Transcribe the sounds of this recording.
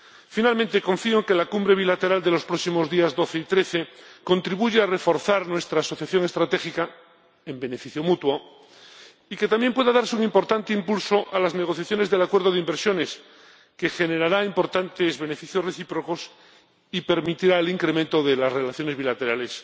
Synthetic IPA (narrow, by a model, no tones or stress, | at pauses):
finalment̪e̞kõ̞ɱfioŋke̞lakumbɾe̞β̞ilat̪e̞ɾald̪e̞lo̞spɾoksimo̞zðiazd̪o̞θe̞it̪ɾe̞θe̞ko̞nt̪ɾiβuʝeare̞fo̞ɾθaɾnwe̞st̪ɾaːso̞θjaθjo̞ŋe̞st̪ɾat̪e̞xika | embe̞ne̞fiθjomut̪wo | ike̞t̪amje̞mpwe̞ðaðaɾseuŋimpo̞ɾt̪ant̪eimpulso̞ʔalazne̞ɣ̞oθjaθjone̞zðe̞lakwe̞ɾðoðeimbeɾsjo̞ne̞s | ke̞xe̞ne̞ɾaɾaimpo̞ɾt̪ant̪e̞zβe̞ne̞fiθjosreθipɾo̞ko̞s | ipe̞ɾmit̪iɾaeliŋkɾemẽnt̪o̞ðelasre̞laθjo̞neβilat̪e̞ɾale̞s